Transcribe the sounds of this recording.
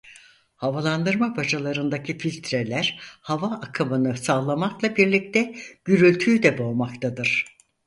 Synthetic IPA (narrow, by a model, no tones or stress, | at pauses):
havalˠand̪ɯɾmabad͡ʒalˠaɾɯnd̪acʰifilʲt̪ʰɾelʲæɾhavaːkʰɯmɯnɯsaːlˠamaklˠabiɾlʲic̚t̪ʰɛɟ̥yɾylʲt̪ʰyd̪ɛbo̞lˠmakt̪ʰad̪ɯɾ̥